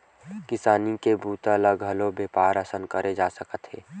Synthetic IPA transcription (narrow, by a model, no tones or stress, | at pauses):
kɪsaːnikebʱuːt̪aləɡʱɐlobeːpaːɾəsənkəɾʔed͡ʒaːsəkət̪ɦeː